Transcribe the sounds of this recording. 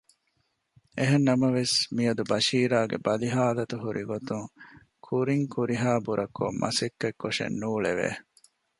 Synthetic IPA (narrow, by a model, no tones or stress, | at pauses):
eɦenːɐmɐʋesmiɐd̪ubɐʃiːɾaːɡḛbɐliɦaːlɐt̪uɦuɾʔiɡot̪uŋ | kʰuɾiŋkʰuɾiɦaːbuɾʔɐkʰomʔɐ̰sekːekːoʂḛnːuːɭeʋḛː